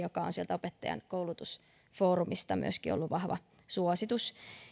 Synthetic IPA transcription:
jokɑonsielt̪æopet̪ːɑjɑ̰nkoulut̪us | foːɾumist̪ɑmy̰øskiolːuʋʋɑhʋɑ̰ | suosit̪us

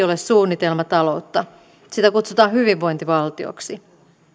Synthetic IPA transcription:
o̞le̞ssuːnːit̪e̞lmɑt̪ɑlo̞ut̪ːɑ | sit̪ækut̪sut̪ɑːnɦyʋiʋːo̞jnt̪iʋɑlt̪io̰ksi

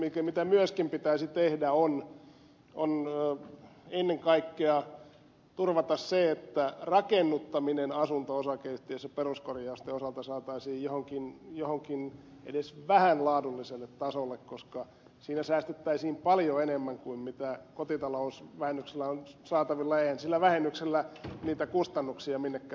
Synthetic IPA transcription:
mikæmit̪æmyøskimpit̪æisit̪ehdæon | on | enːeŋkɑikːeɑ | t̪urʋɑt̪ɑsseet̪ːærɑkenːut̪ːɑminenɑsunt̪oosɑkeist̪iesɑperuskorjɑust̪eosɑlt̪ɑsɑːt̪ɑisiːjjohoŋkinjohoŋkin | ḛdesʋæhænlɑːdulːiselːet̪t̪ɑsolːekkoskɑ | siːnæsæːst̪yt̪ːæisiːmpɑljoenemːæŋkuimmit̪ækot̪it̪ɑlousʋæhenːykselːæonsɑːt̪ɑʋilːɑeihænsilːæʋæhenːykselːæniːt̪ækust̪ɑnːuksiɑminːekːæ

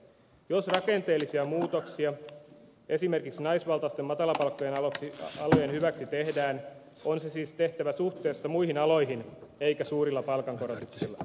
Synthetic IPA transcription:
josrɑke̞nt̪e̞ːlːisiɑmuːt̪oksiɑ | ʔe̞sime̞rkiksnɑisʋɑlt̪ɑst̪emːɑt̪ɑlɑpɑlkːojenɑɑlojenhyʋæksit̪e̞hdæːn | o̞nsesiːst̪e̞ht̪æʋæsuht̪e̞ːsːɑmujhinɑlo̞jɦine̞ikæsuːɾilːɑpɑlkɑŋko̞ɾot̪uksilːɑ

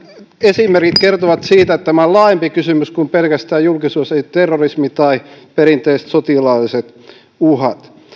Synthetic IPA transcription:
esimerkit̪kert̪oʋɑt̪siːt̪æet̪t̪æmæollɑːjempikysymyskumpelkæst̪æːjjulkisuːseit̪erːorismit̪ɑipeɾint̪eist̪sot̪ilɑlːiset̪ | uhɑt̪

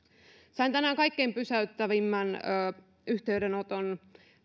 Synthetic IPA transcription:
sɑint̪ænæːŋkɑikːeːmpysæyt̪ːæʋimːænː | yht̪eyɥdenot̪on

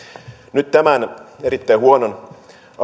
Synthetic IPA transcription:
nyt̪t̪æmæneɾit̪ːæihuonon | ɑ

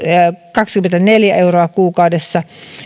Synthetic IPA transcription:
kɑkskymːent̪æneljæeuroɑkuːkɑudesːɑ

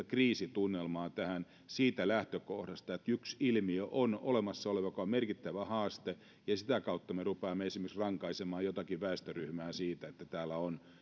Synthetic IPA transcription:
kriːsit̪unːelmɑːt̪æhæn | siːt̪ælæht̪økohdɑst̪ɑet̪yksilmiøʔono̰lemɑsːɑoleʋɑkoɑmerkit̪ːæʋæhɑːst̪e | jɑsit̪ækɑut̪ːɑmerupeːmːeesimæksrɑŋkɑisemɑːjot̪ɑkiʋæest̪øryhmæːsiːt̪æet̪ːæt̪æːlːæon

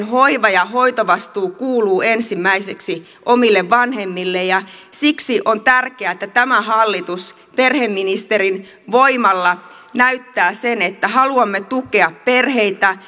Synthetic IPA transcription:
nhoiʋɑjɑɦo̞it̪oʋɑst̪uːkuːluːensimːæiseksi | ʔomilːeʋʋɑnhemːilːejɑsiksiʔont̪ærkeæet̪ːæt̪æmæhɑlːit̪us | perhemːinist̪erin | ʋoimɑlːɑ | næyt̪ːæːsenet̪ːæhɑluɑmːet̪uke̞ɑpperheit̪æ

